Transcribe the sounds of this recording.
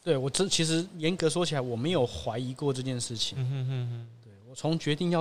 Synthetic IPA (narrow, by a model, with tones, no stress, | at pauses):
t̪we˥˩ɪwɔ˨˩ʈ͡ʂ̩˥t͡ɕʰi˧˥ʂɻ̩˧˥jɛ˧˥nkɤ˧˥ʂ̬wɔ˥t͡ɕʰi˨˩la˧˥ɪwɔ˨˩me˧˥ɪjo˨˩ʊxwa˧˦˥ɪi˧˥kwɔ˥˧ʈ͡ʂɤ˥˧t͡ɕjɛ˥˧nʂɻ̩˥˩t͡ɕʰi˨˩˦ŋ | t̪we˥˩ɪwɔ˨˩t͡sʰʊ˧˥ŋt͡ɕɥɛ˧˥t̪i˥˧ŋjɑ˥˨